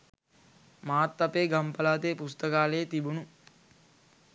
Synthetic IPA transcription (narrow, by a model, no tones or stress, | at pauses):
maːt̪ːɐpeːɡɐmpɐlaːt̪eːpust̪ɐkaːleːt̪ibunu